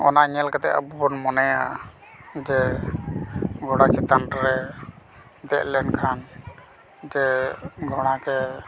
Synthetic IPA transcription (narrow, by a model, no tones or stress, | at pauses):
ɔ̰naɲɛlkɛt̪ɛʔa̰bubɔnmɔnɛja̰ | d͡ʒɛ | ɡʱɔɽat͡ʃʰit̪anʈɾɛ | d̪ɛt̪̚lɛnkʰan | d͡ʒɛɡʱɔɽ̃akɛ